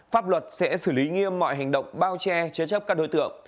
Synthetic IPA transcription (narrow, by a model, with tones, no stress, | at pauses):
faː˦˥p̚lwə˨˩t̚sɛ̰˧˥sɨ˧˩li˨˦ŋi˧əmːɔ̰˧˨jɦa˨˩jŋ̟ɗə̰˧˨wŋ͡mɓaː˧wt͡ɕɛ˧t͡ɕɨ˨˦t͡ɕə˦˥p̚kaː˦˥k̚ɗo˨˦jt̪ɨ̰˧˨əŋ